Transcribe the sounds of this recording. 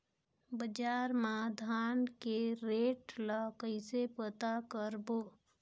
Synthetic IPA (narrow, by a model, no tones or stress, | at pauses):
bəd͡ʒaːɾmãd̪ʱaːnkeɾeːʈlakəɪsepət̪akəɾboː